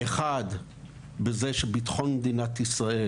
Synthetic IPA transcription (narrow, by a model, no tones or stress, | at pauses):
eχad̪ | bezeʃebit̪χo̞nd̪inat̪isʁae